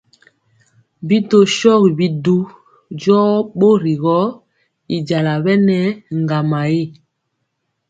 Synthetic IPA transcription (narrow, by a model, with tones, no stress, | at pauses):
bi˦to˦ʃɔ˦ɣi˨bi˦du˦ | d͡ʒɔ˦ɓo˦ɾi˨ɣɔ˦ | i˨d͡ʒa˨la˨bɛ˦nɛ˦ŋ˨ɡa˨ma˨je˦˨